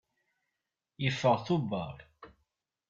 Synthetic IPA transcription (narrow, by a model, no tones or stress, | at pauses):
jəfːəʁθʊbːɑɾ